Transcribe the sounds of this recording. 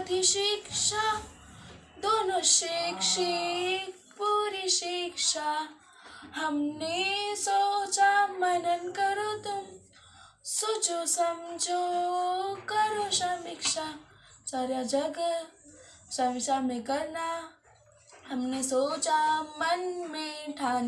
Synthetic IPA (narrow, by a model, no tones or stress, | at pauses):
t̪iʃikʃa | d̪oːnoʃikʃik | puɾiʃikʃa | ɦɐmnesot͡ʃamɐnənkəɾot̪um | sut͡ʃosəmd͡ʒo | kəɾoʃamikʃa | t͡ʃaɾjad͡ʒɐɡ | saʋisamẽkəɾna | hɐmnesoːt͡ʃamɐnmeʈʰaːn